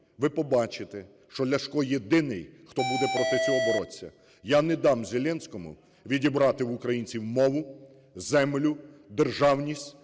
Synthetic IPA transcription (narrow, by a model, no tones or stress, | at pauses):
ʋɪpɔbɑt͡ʃɪt̪ɛ | ʃt͡ʃɔlʲɐʃkɔjed̪ɪnɪjxt̪ɔbud̪ɛpɾɔt̪ɪt͡sʲɔɦɔbɔɾɔt͡sʲːɐ̰ | janɛd̪ɑmzʲelʲɛnʲsʲkɔmʊ̰ | ʋʲidʲibɾɑt̪ɪwʊkɾɐjinʲt͡sʲiwmɔʋʊ | zɛmlʲʊd̪erʒɑwnʲisʲtʲ